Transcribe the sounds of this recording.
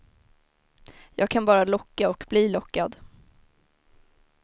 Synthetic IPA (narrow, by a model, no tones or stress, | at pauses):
jʔɑːɡ̚kʰanbɑːɾalɔkːaɔkbliːlɔkːad̪